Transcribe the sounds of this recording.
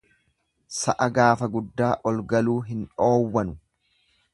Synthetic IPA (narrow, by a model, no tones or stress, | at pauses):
sɐʔɐɡaːfɐɡʊd̪ːaːʔɔlɡɐluːɦɪnᶑo̞ːwːɐnʊ